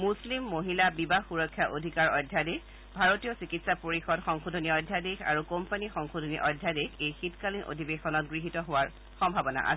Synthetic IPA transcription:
muslimːoɦilabibaxuɹɔkʰːjaʔodʱikaɹɔjdʱjadek | bʱaɹotijɔsikitsapoɹixɔdxɔŋxudʱoniɔdʱjadeka̰ɹukompanixɔŋxodʱoniʔɔjdʱjadekejxitkalinʔo̰dʱibexɔnɔtɡɹiɦitɔɦowaɹ | xɔmbʱabɔna̰ʔa̰s

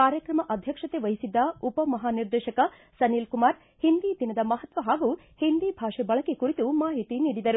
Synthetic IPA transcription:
kaːɾjɐkɾɐmɐʔɐd̪ʱjɐkʂɐt̪e̞ʋɐɦisid̪ːɐupɐmɐɦaːniɾd̪eːʃɐkɐ | sɐnilkumaːɾ | hind̪id̪inɐd̪ɐmɐɦɐt̪ʋɐɦaːɡu | hind̪ibʱaːʂebɐɭɐkekuɾit̪umaːɦit̪iniːɽid̪ɐɾu

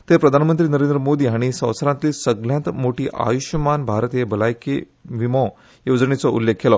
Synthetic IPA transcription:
t̪epɾəd̪ʱanmənt̪ɾiːnəɾend̪ɾəmod̪iːaɽ̃isə̃w̃sɾãt̪liːsəɡljãnt̪moʈiːʔa̰juɕjəmanbʱaɾət̪jebəlajkḛ | ʋimɔ̃ | jod͡znet͡sɔʔṵlːekʰːelɔ

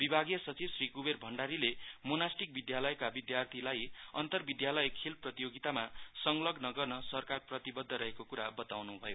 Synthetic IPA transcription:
bibʱaɡijʌsʌt͡sibsrikuberbʱʌɳɖaɾilemonasʈik̚bid̪jalʌjkabid̪jart̪ʰilajʌ̰nt̪ʌrbid̪jalʌjkʰilprʌt̪ijoɡit̪amasʌŋlʌɡnʌɡʌrnʌsʌrkarprʌt̪ibʌd̪ʱːʌɾʌɦekokuɾabʌt̪awnubʱʌjo

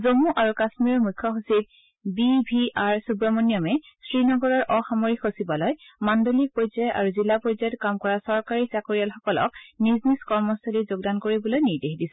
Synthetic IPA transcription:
zomuʔaɹukasmiɹɔɹmukʰːɔɦusip̚ | bibʱiaɹsubɹɔmɔnjɔmɛ | sɹinɔɡɔɹɔɹʔɔxamoɹixosibalɔjmandolik̚pɔzajta̰ɹuzilapɔzajɔtkamkɔɹasɔɹkaɹisakoɹijalxɔkɔlɔ̰k̚nizniskɔɹmɔsalizoɡ̚dankoɹibɔlojniɹdexdisɛ̥

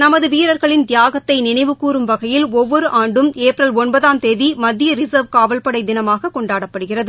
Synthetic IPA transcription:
nɐmɐðɯʋiːɾɐɾɣɐɭɪnd̪ɪjaːɣɐt̪ːɐɪnɪnɐɪʋɯkuːɾɯmʋɐɣɐjɪlɔʋːɔɾɯʔaːɳɖɯmeːpɾɐlɔnbɐðaːmt̪eːðimɐd̪ːɪjɐɾɪsɐʋkaːʋɐlpɐɽɐɪd̪ɪnɐmaːɣɐkɔɳɖaːɽɐpːɐɽɯɣɪrɐðɯ

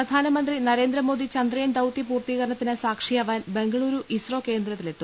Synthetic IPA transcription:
prɐd̪ʱaːnɐmɐnd̪rinɐɾe̞ːnd̪ɾɐmo̞ːd̪it͡ɕɐnd̪rɐjend̪ɐwt̪ipuːrt̪iɣɐɾɐɳɐt̪ːinɨsaːkʂijaːʋaːnbe̞ŋɡɐɭuːɾuʔisro̞ːke̞ːnd̪ɾɐt̪ːile̞t̪ːu

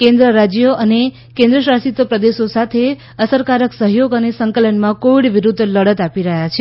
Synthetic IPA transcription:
kẽnd̪ɾəɾad͡ʒjoʔəne | kẽnd̪ɾəʃastit̪əpɾəd̪eʃosat̪ʰe | əsəɾkaɾəksəɦjoɡənesəŋkələnmãkoʋiɽʋiɾud̪ʱːləɽət̪apiɾəɦjat͡ʃʰe

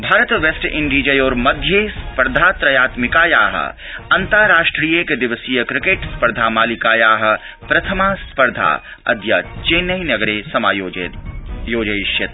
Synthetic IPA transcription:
bʱaːɾət̪ʋesʈɪ̃ɳɖid͡ʒɐjoːɾmɐd̪ʱjespɐɾd̪ʱaːt̪ɾɐjaːt̪mɪkaːjaːɦə̰ | ɐnt̪əɾaːʃʈɾiːjeked̪ɪʋəsijəkɾɪkeːʈspɐɾd̪ʱaːmaːlikaːjaːɦɐ̆ | pɾɐt̪ʰəmaːspɐɾd̪ʱa̰ː | ɐ̰d̪ja̰t͡ʃeːnɐjnɐɡɾesɐmaːjo | joːd͡ʒɐjiʃjɐt̪

